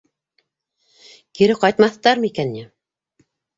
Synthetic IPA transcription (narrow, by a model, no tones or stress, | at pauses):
kiɾɘqɑjt̪mɑθt̪ɑɾmɤikænːi